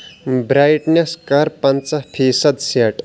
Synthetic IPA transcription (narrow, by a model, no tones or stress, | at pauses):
bɾajʈneskɐɾpɐnt͡sɐpʰiːsɐd̪seʈ